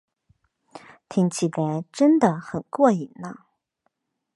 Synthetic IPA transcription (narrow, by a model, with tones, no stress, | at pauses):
t̪ʰi˧˥ŋt͡ɕʰi˨˩la˧˥ɪʈ͡ʂə˥nd̪ə˨xə˨˩nkwɔ˥˩i˨˩nə˦